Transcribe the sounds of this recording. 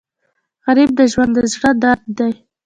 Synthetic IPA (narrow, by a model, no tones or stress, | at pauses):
ɣaɾib̚d̪əʒwand̪d̪əzɽəd̪aɾd̪̚d̪aj